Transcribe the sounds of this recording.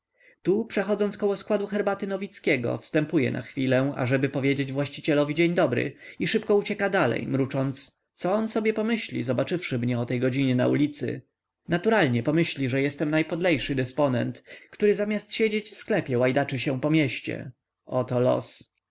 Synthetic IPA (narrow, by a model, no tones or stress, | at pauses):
t̪upʂɛxɔd̪zɔntskɔwɔskwad̪uxɛɾbat̪ɘnɔvʲit̪skʲɛɡɔ̰fst̪ɛmpujɛ̰na̰xfʲilɛa̰ʐɛbɘpɔvʲjed͡ʑed͡ʑvwaɕt͡ɕit͡ɕɛlɔvʲid͡ʑeɲd̪ɔbɾɘ̰iʂɘpkɔut͡ɕɛkad̪alɛ̰jmɾut͡ʂɔnt̪s | t̪sɔɔnsɔbʲjɛpɔmɘɕlʲḭzɔbat͡ʂɘfʂɘmɲɛɔt̪ɛjɡɔd͡ʑiɲɛna̰ulʲit̪sɘ̰ | nat̪uɾalɲɛpɔmɘɕlʲiʐɛjɛst̪ɛmnajpɔd̪lɛjʂɘd̪ɘspɔnɛ̰nt̪kt̪uɾɘzamʲjast̪ɕed͡ʑet͡ɕfsklɛpʲjɛwajd̪at͡ʂɘɕɛ̃pɔmʲjɛɕt͡ɕɛ̰ | ɔt̪ɔlɔ̰s